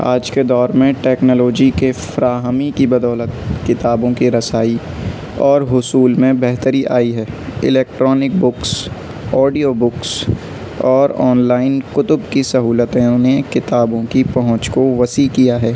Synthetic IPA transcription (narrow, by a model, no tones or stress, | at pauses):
a̰ːd͡ʒked̪ɔːɾmẽʈɛːknɔːloːd͡ʒikefɾaːɦəmikibɐd̪ɔːlət̪kɪt̪aːbõkiɾɐsaːi | ɔːɾɦʊsuːlmẽbɛɦt̪əɾiʔaːiɦɛː | ɪ̰leːk̚ʈɾɔːnɪk̚bʊks | ɔːɖijobʊks | ɔːɾɔːnlaːɪnkʊt̪ʊbkisɐɦuːlət̪ɦɛ̃ʊnekɪt̪aːbõkipɐɦʊ̃t͡ʃkoʋɐsikijaɦɛː